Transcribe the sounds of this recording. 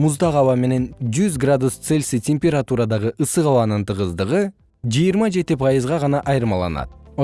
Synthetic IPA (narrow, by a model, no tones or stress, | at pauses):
muzd̪ɑʁɑwɑme̞ne̞nd͡ʒyzɡrad̪ust̪se̞lʲsitʲemʲpʲeɾat̪uɾɑd̪ɑʁɯʔɯsɯʁɑwɑnɯnt̪ɯʁɯzd̪ɯʁɯ | d͡ʒɯjɯɾmɑd͡ʒe̞t̪ipʰɑjɯzʁɑʁɑnɑʔɑjɾɯmɑlˠɑ̰nɑ̰t̪̚